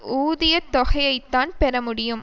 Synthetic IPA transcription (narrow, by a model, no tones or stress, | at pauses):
uːðɪjɐt̪ːɔɣɐjɐɪt̪ːaːnpɛɾɐmʊɽɪjɯm